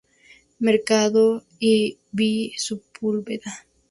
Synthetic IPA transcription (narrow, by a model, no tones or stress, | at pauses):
meɾkaðo | i | bisupulbeða